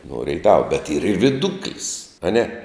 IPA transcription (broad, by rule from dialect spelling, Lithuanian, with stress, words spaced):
nuɔ ˈrʲɛɪtɐʋɐ bʲɛt iːr ɪr ʋʲɪˈdʊklʲɪs ɐˈnʲɛ